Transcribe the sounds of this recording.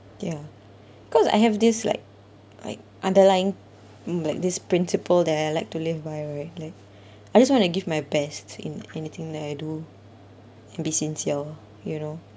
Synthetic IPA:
ja | b̥ikʰɔsa̰jɦɛvdɪsla̰ɪk̚ | la̰ɪk̚ʔãndəlajɪ̃ŋ | laɪk̚dispɹĩnsipəldɛtaɪlaɪk̚tulivbajɹaɪt̚laɪk̚ | aɪd͡ʒas̬wɔ̃ntuɡivmajbɛstḭ̃nɛnit̪ʰɪ̃ŋdɛtaɪdu | ɛ̃nbisĩnsiəl | juno

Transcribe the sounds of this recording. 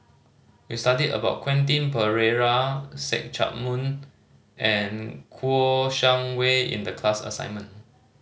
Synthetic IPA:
wistadidə̰baʊt̚kʰwɛ̃nt̬ĩnpəɹeɹasɛ̰k̚t͡ʃʰa̰t̚mũn | ʔɛ̃nkʰuoʃãŋweḭ̃ndəkʰlasə̰sã̰ɪ̃nmə̃n

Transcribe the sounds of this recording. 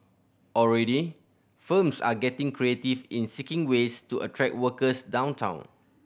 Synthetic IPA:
ɔlɹɛdi | fə̃msa̰ɡɛtĩŋkɹietifĩnsikĩŋwestuʔə̰tʰɹɛk̚wəkəsdãw̃ntʰã̰ʊ̃n

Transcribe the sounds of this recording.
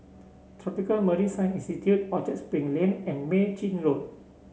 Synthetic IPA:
t̪ʰɹɔpikəlməɾisãjnĩnstitʰjut̚ɔtɛt̚spɹĩŋlẽnɛ̃nmet͡ʃĩnlot̚

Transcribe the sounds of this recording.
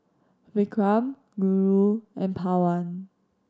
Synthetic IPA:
vikʰɹãm | ɡuɹuʔɛ̃npʰawan

